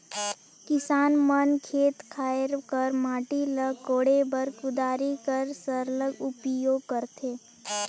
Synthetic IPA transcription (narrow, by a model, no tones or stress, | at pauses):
kɪsaːnmənkʰeːt̪kʰaːɾkəɾmaːʈiləkoːɽebəɾkʊd̪aːɾikəɾsəɾləɡʊpjoːɡ̚kəɾt̪ʰeː